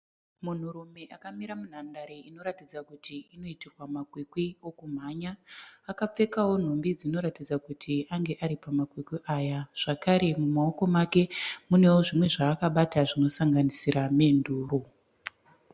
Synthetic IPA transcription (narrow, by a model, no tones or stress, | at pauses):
mun̤uɾume̞ʔakamiɾamun̤andaɾeino̞ɾatid͡zakutiino̞itirwamakwekwio̞kum̤aɲaːkap͡fe̞kawo̞n̤o̞mbid͡zino̞ɾatid͡zakutʰiaŋɡe̞ʔaɾipamakwekwiʔajaʐ̥akaɾe̞mumao̞ko̞make̞mune̞woʐimwe̞ʐaːkaɓataʐino̞saŋɡanisiɾame̞nduːɾo